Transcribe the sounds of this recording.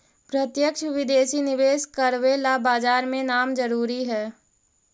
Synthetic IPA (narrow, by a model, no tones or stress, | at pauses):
pɾət̪jəkʃʋɪd̪eːʃinɪʋeːskəɾʋelabaːd͡ʒaːɾmẽnaːmd͡ʒəɾuːɾiɦɛː